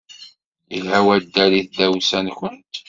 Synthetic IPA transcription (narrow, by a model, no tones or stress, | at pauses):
ilɦæwæd̪ːæliθd̪æwsænçənt̪